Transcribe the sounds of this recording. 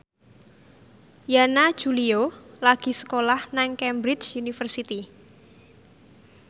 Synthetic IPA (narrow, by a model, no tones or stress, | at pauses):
janḁd͡ʒ̥uliolaɡ̥i̤sə̥kolahnaŋkɛmbɾɪt͡ʃunifərsit̪i